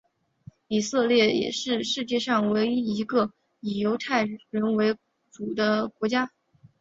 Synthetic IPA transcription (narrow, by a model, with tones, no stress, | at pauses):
i˨˩sɤ˥˧ljɛ˥˩jɛ̰˨˩ʂɻ̩˥˧ʂɻ̩˥˧t͡ɕjɛ˥˧ʂɑ˥˩ŋwe˧˥ɪ˥i˧˥ɡə˧ | i˨˩jo˧˥ʊt̪ʰa˥˩ɪɻə˧˥nwe˧˥ɪ | ʈ͡ʂu˨˩d̪ə˦kwɔ˧˥t͡ɕja˥